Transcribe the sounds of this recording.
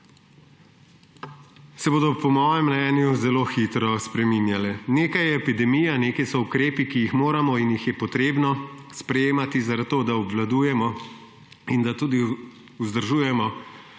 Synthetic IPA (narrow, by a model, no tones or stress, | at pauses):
sɛboːd̪ɔpɔmɔːjɛmːnɛnjuzɛloːxit̪ɾɔspɾɛmiːnjalɛneːkajɛːpid̪ɛmiːjaneːkajsɔukɾeːpikijixmoːɾamɔinjixjɛpɔt̪ɾeːbnɔspɾɛjeːmat̪izaɾat̪̚t̪ːoːd̪aɔbʋlad̪uːjɛmɔ | ind̪at̪uːd̪i | uzd̪əɾʒuːjɛmɔ